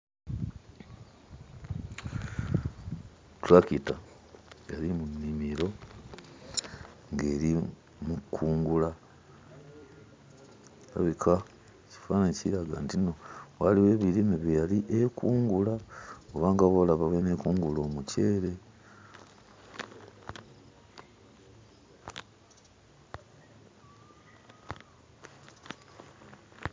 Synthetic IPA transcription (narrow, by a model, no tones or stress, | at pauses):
tuɾakita | jalimunːimiɾo̞ | ŋɡeːɾi | mukʰuːŋɡula | βa̰βikʰa | ci̥fanaɲciɾaɡa̰ntino̞waliwe̞ːβiɾimiβijaliʔekuːŋɡulaoβaːŋɡaβolaβawene̞kuːŋɡulo̞ːmuce̞ːɾe̞